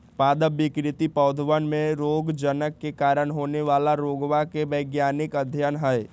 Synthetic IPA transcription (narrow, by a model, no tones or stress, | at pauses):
paːd̪əbɪkɾɪt̪ipəʊd̪ʱʋənmẽɾoːɡd͡ʒənəkːekaːɾəɳɦoːneʋaːlaɾoːɡʋakeʋəːɡjaːnɪkəd̪ʱjanɦɛɛ